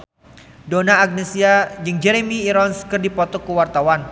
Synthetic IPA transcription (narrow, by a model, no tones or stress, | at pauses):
donaːɡ̚nesiad͡ʒɨŋd͡ʒɛɾemiːɾɔnskərdipɔt̪ɔkəwart̪awan